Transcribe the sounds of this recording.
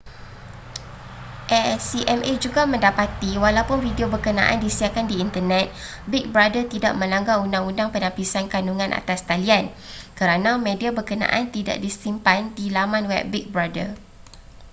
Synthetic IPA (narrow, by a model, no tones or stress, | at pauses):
ʔɛsiʔɛmʔed͡ʒuɡamə̃ndapat̪iwalawpʊnfidiobərkənã̰ʔa̰ndisiakandiːnt̪ənɛ̃t̪̚ | bik̚bɾadət̪ida̰ʔmə̃laŋɡaundaŋundaŋpənãpisankanuŋãnʔa̰t̪ast̪aliankəɾanãmẽdiabərkənã̰ʔant̪ida̰ʔ̚disimpandilamãnwɛ̰p̚bik̚bɾadə